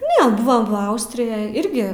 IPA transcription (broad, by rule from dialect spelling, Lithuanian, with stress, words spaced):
nʲɛ ˈbʊʋɐm ʋɐ ˈɐʊsʲtʲrʲɪjɛj ˈɪrʲɡʲɪ